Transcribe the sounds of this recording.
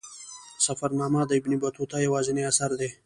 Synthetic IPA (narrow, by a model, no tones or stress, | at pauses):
sɐfaɾnɑːmad̪əɪbnibɐt̪ot̪ajawɑːzɪneasaɾd̪e